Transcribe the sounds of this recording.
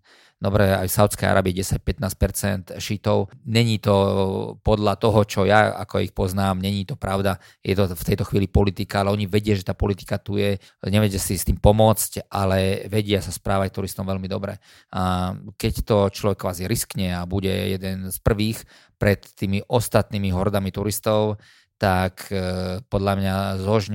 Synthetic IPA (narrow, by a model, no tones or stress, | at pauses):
d̪ɔbɾɛa̰jsaʊt͡skɛja̰ɾʔa̰ːbiɛɟɛsac̚pɛt̪naːs̚pɛɾt͡sɛnt̪ʃit̪ɔʊɲɛɲit̪ɔpɔd̪lat̪ɔɦɔt͡ʃɔjaa̰kɔixpɔznaːmɲɛɲit̪ɔpɾaʊd̪a | jɛt̪ɔft̪ɛjt̪ɔxʋiːlipɔlit̪ikaalɛɔɲiʋɛɟɪaʒɛt̪aːpɔlit̪i̥kat̪ujɛ | ɲɛʋɛcasist̪iːmpɔmʊɔt͡scʔalɛʋɛɟɪasaspɾaːʋact̪uɾist̪ɔmʋɛlmid̪ɔbɾɛ̰ | akɛct̪ɔt͡ʃlɔʋɛkːʋaːziɾiskɲɛabuɟɛ̰jɛd̪ɛnspr̩ʋiːx | pɾɛt̪ːiːmiʔɔst̪at̪niːmiɦɔɾd̪amit̪uɾist̪ɔʊ | t̪akʰpɔd̪lamɲazɦɔʒɲ